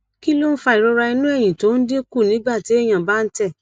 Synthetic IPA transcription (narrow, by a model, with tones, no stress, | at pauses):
ki˦lo˦n̩˦fa˧i˨ɾo˧ɾa˧i˧nũ˦ɛ˦˨j̃ĩ˨to˨˦n̩˦de˦ku˦˨nĩ˨˦ɡ͡ba˦˨ti˨˦e˦˨j̃ã˨ba˦˧n̩˦tɛ˦˨